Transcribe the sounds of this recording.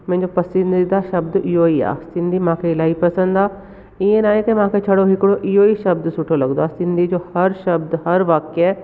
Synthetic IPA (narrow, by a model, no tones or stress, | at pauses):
mɛ̃ːɲd͡ʒoːpəsɪ̃nd̪id̪aːʃəbd̪ɪjoːiːa̰ːsɪ̃nd̪iːmãːkʰeːɪlaːiːpəsə̃nd̪aː | ɪẽːnaːẽkemãːket͡ʃʰəɽoːɦɪkɽoːʔɪjoːiːʃəb̚d̪sʊʈʰoːləɡd̪oaːsɪ̃nd̪iːd͡ʒoːhəɾʃəbd̪ɦəɾʋaːkɛː